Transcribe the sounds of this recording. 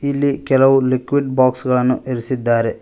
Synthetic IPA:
ilːikɛlɐʋulikːʋiɖbaːksɡɐɭɐnːuʔeɾusid̪ːaːɾe

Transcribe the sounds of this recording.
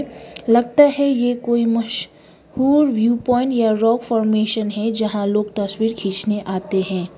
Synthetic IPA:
lɐɡ̚t̪aɦɛjekoːimɐʃ | huːɾʋjuːpɔːɪ̃ɳʈjaɾɔːkfɔːɾmeːʃənɦɛd͡ʒɐɦãloːɡ̚t̪ɐswiːɾkʰiːt͡ʃneʔaːt̪eɦɛ̃ː

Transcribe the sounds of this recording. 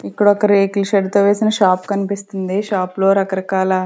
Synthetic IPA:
ipːuɽɔkɐɾikliʃɐɖt̪oːʋe̞ːsinɐʃaːpkɐnipist̪und̪iʃaːplo̞ːɾɐkɐɾɐkaːlɐ

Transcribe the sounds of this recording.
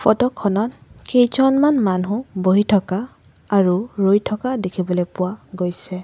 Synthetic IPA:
fɔtɔkʰːɔnɔtkejzɔnmanmanɦuboɦitʰɔkaː | ɹuɹojtʰɔkadekʰibɔlepʊwaɡojsɛ

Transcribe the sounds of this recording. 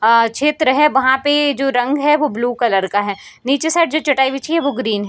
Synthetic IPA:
t͡ʃʰeːt̪ɾəɦɛʋɐɦãped͡ʒoːɾɐ̃ŋɡɦɛʋobluːkɐləɾkaɦɛː | niːt͡ʃesaːɪʈ̚d͡ʒoːt͡ʃɐʈaːibɪt͡ʃʰiɦɛʋoːɡɾiːnɦɛ

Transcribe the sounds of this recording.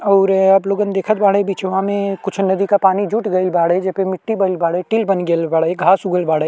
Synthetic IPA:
ɔːɾɐbloːɡənd̪eːkʰət̪̚baːɽebiːt͡ʃʋɐãmẽkʊt͡ʃʰnɐd̪ikapaːnid͡ʒuːʈɡɐɪlbaːɽed͡ʒɐpemɪʈːibɐɪlbaːɽeʈilbɐnɡelbaːɽeɡʱaːsʊɡəlbaːɽə

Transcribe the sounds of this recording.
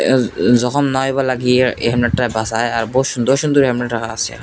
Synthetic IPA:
zɔkʰɔmnajbalaɡijeɦɛmneʈːabasajaɾboʃund̪oʃund̪uɾɦɛmneʈɾakʰaasa̰

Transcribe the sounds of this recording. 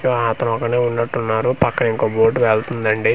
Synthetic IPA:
joːat̪ɐnɔkɐneːunːɐʈːunːaːɾupɐkːɐnɐiŋkoːboːʈːuʋeɭt̪und̪ɐɳɖi

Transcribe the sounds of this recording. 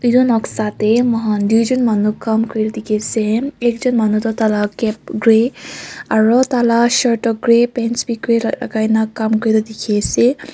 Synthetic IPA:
izɔnɔksatɛmɔɦand̪ujzɔnmanukːamkɔɹilɔd̪ikʰisɛɛkzɔnmanutɔtalakɛp̚ɡɹe | aɹɔtalaʃɔɹʈɔɡɹepɛnsbikɔia̰ɡajnakːamkɔɹilɔd̪ikʰesɛ

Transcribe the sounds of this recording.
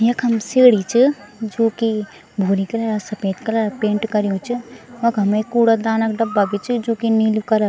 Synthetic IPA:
jɐkɦɐmseːɽit͡ʃʰi | d͡ʒoːki | bʱoːɾikɐlaɾasɐpeːt̪kɐlapẽːɳʈkɐɾijũt͡ʃʰimɐkɦɐmekuːɽɐd̪aːnɐkɖɐbːaɡit͡ʃʰid͡ʒoːkinilkɐɾa

